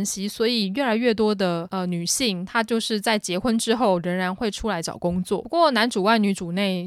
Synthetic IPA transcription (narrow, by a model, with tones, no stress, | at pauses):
nɕi˥swɔ˧˥i˨˩ɥɛ˥˩la˨˧˥ɪɥɛ˥˩t̪wɔ˥d̪ə˨ə˧ny˨˩ɕi˥˩ŋt̪ʰa˥t͡ɕjo˥˧ʊʂɻ̩˥˧t͡sa˥˩ɪt͡ɕjɛ˧˥xwə˥nʈ͡ʂɻ̩˥xo˥˩ʊɻə˧˥ŋɻa˧˥nxwe˥˧ɪʈ͡ʂʰu˥la˧˥ɪt͡ɕjɑ̰˨˩ʊkʊ˥ŋt͡swɔ̰˥˩˧kwɔ˥˨na˧˥nʈ͡ʂu˨˩wa˥˩ɪny˧˥ʈ͡ʂu˨˩ne˥˩ɪ